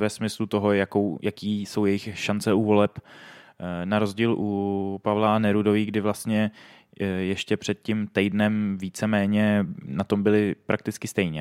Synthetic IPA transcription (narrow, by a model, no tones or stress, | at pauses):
vɛsmɪslut̪o̞ɦo̞jakowjakiːso̞wjɛjɪxʃant͡sɛuvo̞lɛp | naɾo̞zɟiːlʔupavlanɛɾudovɪɡdɪvlast̪ɲɛ | jɛʃcɛpr̝̥ɛt̪̚cimt̪ɛjdnɛmviːt͡sɛmɛːɲɛnat̪o̞mbɪlɪpɾak̚t̪ɪt͡skɪst̪ɛjɲɛ